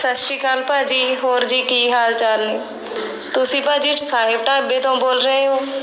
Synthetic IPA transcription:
səʃʈikaːlpad͡ʒiːɦoːɾd͡ʒiːkiːɦaːlt͡ʃaːle | t̪ʊsipəd͡ʒiʈsaːɦɪb̚ʈabet̪õboːlɾəɦeɦoː

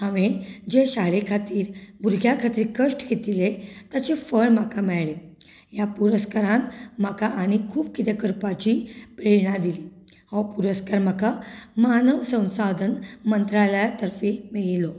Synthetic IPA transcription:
ãʋed͡ʑeɕaɭekʰat̪iːɾbʱuɾɡʱjakʰat̪iːɾkəʂʈket̪ilet̪jat͡ɕefəɭm̤akamɛɭɭe | japuɾəskaɾanm̤akaʔaɽ̃ikʰuːbkit̪ekəɾpat͡ɕiːpɾeɳad̪ili | hɔwpuɾəskaɾm̤akamanəʋsə̃w̃sad̪ʱənmənt̪ɾaləjat̪əɾfimeɭilo

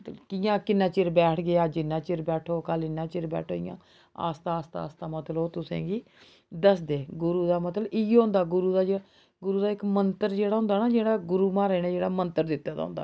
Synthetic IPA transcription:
t̪lkɪjãːkɪnːãːt͡ʃɪɾbɛːʈʰɡeaːd͡ʒɪnːãːt͡ʃɪɾbɛːʈʰoːkəlɪnːãːt͡ʃɪɾbɛ̰ːʈʰo̰ːɪ̰jã̰ː | a̰ːst̪aːst̪aa̰ːst̪aːmət̪loːt̪ʊsḛ̃ːɡiː | d̪əsd̪eːɡʊɾuːd̪aːmət̪ləɪɦoʊ̃ːnd̪aːɡʊɾuːd̪aːd͡ʒ | ɡʊɾuːd̪aːɪkmənt̪əɾd͡ʒeːɽaːɦʊnd̪aːnaːd͡ʒeːɽaːɡʊɾuːmãːɾɛːnaːd͡ʒeːɽaːmənt̪əɾd̪ɪt̪ːaːd̪a̰ːʊ̰̃nd̪a̰ː

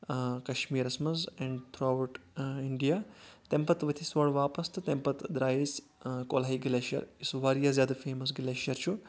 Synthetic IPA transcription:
kɐʃmiːɾɐsmɐzɛɳɖt̪ʰɾaːwʈiɳɖijaːt̪empɐt̪ʋɐt̪ʰisʋoːɽʋaːpɐst̪ɨt̪empɐt̪d̪ɾaːjis | koːlɦɐjɡileːʃɐ̰ɾisʋaːɾjaːzʲjaːd̪ɐfeːmɐs̬ɡleːʃɐɾt͡ʃʰu

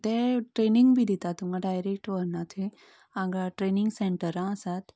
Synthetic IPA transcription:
t̪eʈɾeniŋɡbʱid̪it̪at̪umɡãɖajɾek̚ʈʋəɾnat̪ʰi | ãɡaʈɾeniŋɡseɳʈəɾãəsat̪

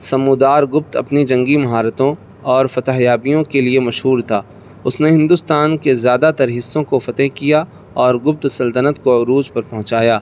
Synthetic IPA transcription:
sɐmud̪aːɾɡʊp̚t̪ɐ̰pnid͡ʒɐ̃ŋɡimɐɦaːɾət̪õ | ɔːɾfɐt̪əɦjaːbijõkeliemɐʃɦuːɾt̪ʰaː | ʊsneɦɪ̃nd̪ʊst̪aːnkezjaːd̪at̪ɐɾɦɪsːõkofɐt̪əɦkija | ɔːɾɡʊp̚t̪sɐlt̪ənət̪koʊɾuːd͡ʒpɐɾpɐ̃ɦʊ̃t͡ʃaːjaː

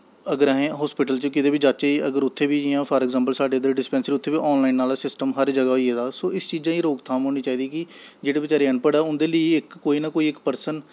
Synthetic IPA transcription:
əɡəɾəɦẽːɦɔːspɪʈəlt͡ʃəkɪt̪eːbiːd͡ʒaːt͡ʃaːiːəɡəɾʊt̪ʰːeːbiːd͡ʒijãːpʰəːɾɛːɡzãːmp̬əlsaːɖeːəd̪ɾeɖɪspɛ̃ːnsɪɾiʊt̪ʰːeːbiːʔɔːnlaːinːaːlaːsɪsʈəmɦəɾd͡ʒəɡaːoieːd̪aːsoːɪst͡ʃiːd͡ʒãːĩːɾoːkt̪ʰaːmɦoːñiːt͡ʃaːiːd̪iːkɪd͡ʒeːɽeːbɪt͡ʃaːɾeːənpəɽaːʊnd̪eːləiːɪkːoːiːnaːkoːiːɪkpəɾsən

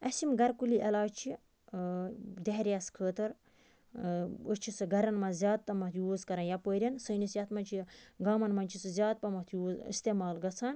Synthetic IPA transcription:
ɐsimɡɐɾkuliʔɐlaːt͡ʃʰi | d̪eɦɾʲjaskʰəːt̪ɐɾ | ət͡ʃʰisɨɡɐɾɐnmɐzʲjaːd̪̚t̪ɐmɐt̪ʰjuːzkɐɾɐ̃njapəːɾʲɐnsəːnisjɐt̪ʰmɐnʲt͡ʃʰiɡaːmɐnmɐnʲt͡ʃʰisɨzʲjaːd̪̚pɐmɐt̪ʰjuːzḭst̪eːmaːlɡɐt͡sʰaːn

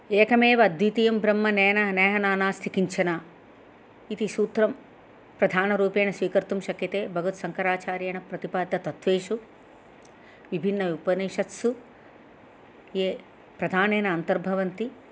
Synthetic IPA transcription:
eːkɐmeːʋɐd̪ʋit̪ijɐmbɾɐmːɐneːnɐneːɦɐnaːnaːst̪ʰikiɲt͡ʃʰɐna | it̪isuːt̪ɾɐm | pɾɐd̪ʱaːnɐɾuːpeːɳɐsʋiːkɐɾt̪umʃɐkjɐt̪eːbʱɐɡʱɐt̪sɐŋkɐɾaːt͡ʃaːɾjeːɳɐpɾɐt̪ipaːd̪ʱːɐt̪ɐt̪ʋeːʃu | ʋibʱinːɐupɐneːʃɐt̪su | jeː | pɾɐd̪ʱaːneːnɐːnt̪ɐɾbʱɐʋɐnt̪i

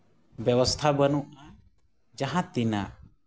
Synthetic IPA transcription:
bjɛwəst̪ʰabənuʔa | d͡ʒaɦãt̪ina̰ʔ

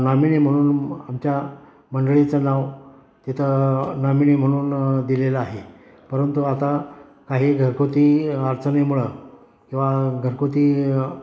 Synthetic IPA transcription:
naminim̤əɽ̃uːnamt͡ɕja | məɳɖɭit͡sənaʋ | t̪it̪ʰənamiɳim̤əɽ̃uːnd̪ileləaɦe | pəɾənt̪uat̪a | kaɦiːɡʱəɾkot̪iːəɾt͡sənemuɭə | kĩw̃ʋaɡʱəɾkot̪iː

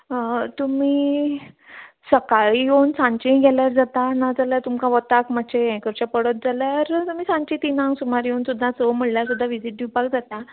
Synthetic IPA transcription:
t̪umiː | səkaɭijownsãɲt͡ɕĩɡɛljaɾd͡zat̪anad͡zaljat̪umkaʋət̪akmat͡ɕʰeẽkəɾt͡ɕapəɽət̪̚d͡zaljaɾt̪um̤iːsãɲt͡ɕĩt̪inãŋɡsumaɾjonsud̪ʱːasəm̤əɭljaɾsud̪ʱːaʋid͡ziʈ̪̚d̪ipakd͡zat̪a

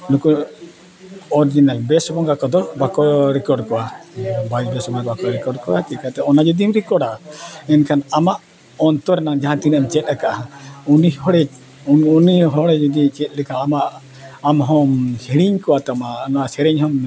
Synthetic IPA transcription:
luku | ɔɾd͡ʒinalbɛsbɔŋɡakɔd̪ɔbakɔɾɛkɔɾɖkɔwabajsbɛsbɔɡakbakɔɾɛkɔɖkɔwakikat̪ɛɔnad͡ʒɔd̪imɾikɔɖaɛnkʰanamaʔ | ɔnt̪ɔɾɛnaŋd͡ʒaɦãt̪inamt͡ʃɛt̪̚akaʔaɦãunihɔɽɛ | uniɦɔɽɛd͡ʒud̪it͡ʃɛt̪̚ˀlɛkaːmaʔ | amɦɔmhiɽiɲkɔwat̪ɔmanasɛɾɛɲhɔm

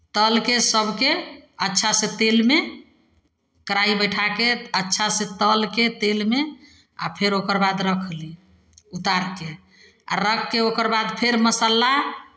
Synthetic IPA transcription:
t̪əlkesəbʱkeətːʃʰasẽt̪elme | kəɾaibəjʈʰakeətːʃʰasẽt̪əlket̪elme | a̰pʰeɾokəɾbad̪ɾəkʰli | ut̪aɾke | a̰ɾəkʰːeokəɾbad̪pʰeɾməsala

